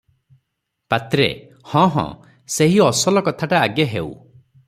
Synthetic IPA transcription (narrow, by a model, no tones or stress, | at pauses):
pat̪ɾḛ | hɔ̃ɦɔ̰̃ | seɦiɔsɔlɔkɔt̪ʰaʈaːɡjaɦeuw̰